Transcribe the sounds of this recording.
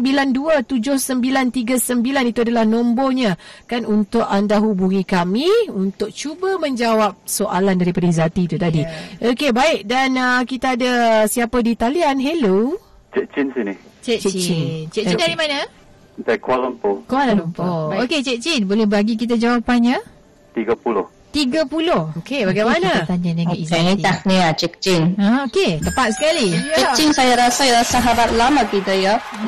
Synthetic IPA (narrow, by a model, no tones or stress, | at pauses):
mbilanduət̪ud͡ʒʊhsəmbilant̪iɡasəmbilanit̪uadalahnõmboɲãkanunt̪ʊʔandaɦubuŋĩkamĩunt̪ʊk̚t͡ʃubəmə̃ɲd͡ʒawap̚soʔalandaɾipadizat̪it̪ut̪adiʔokebaɪk̚danəkit̪aːdasiapədit̪alianɦelo | t͡ʃɛt͡ʃinsinɪht͡ʃɛt͡ʃɛt͡ʃinnt͡ʃɛʔ̚indaɾimanə | d̪akwaləmpokalalumpooket͡ʃɛʔ̚t͡ʃinbolɛbaɡik̬it̪̬ad͡ʒawapanɲa | t̪iɡəpulʊh | t̪iɡəpulʊhokebaɡajmãnat̪aɲd͡ʒaɲãŋaizat̪akniat͡ʃɛk̚t͡ʃinaoket̪əpat̪̚sə̥kalit͡ʃinsajaɾasajɾasaɦabat̪̚lamakit̪əja